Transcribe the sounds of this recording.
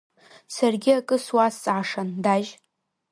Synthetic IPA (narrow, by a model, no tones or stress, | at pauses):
sarɡʲɪakʼɨswast͡sʼʕaʂandaʒ